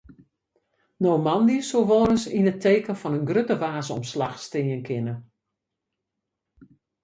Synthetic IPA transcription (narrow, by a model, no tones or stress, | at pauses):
noːmɑndisolʋɔːɾəsinətʰejkənfɔnənɡrøtəʋaːzəɔ̰mslaxstɪjənkʰɪnə